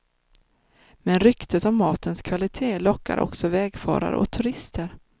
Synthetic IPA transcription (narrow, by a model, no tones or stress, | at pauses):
mɛnɾʏkt̪ʰət̪ɔvmɑːt̪ʰənskʰvalɪt̪ʰeːlɔkːa̰ɾʔɔ̰ksɔvɛːɡfɑ̰ːɾa̰ɾʔɔ̰kt̪ʰɵɾɪst̪ʰəɾ